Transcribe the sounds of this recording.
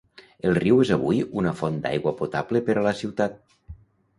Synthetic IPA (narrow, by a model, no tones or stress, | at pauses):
elˠriwezaβ̞ujunəfɔnd̪a̰jɣwəpot̪aβlepəɾaləsiwt̪at̪̚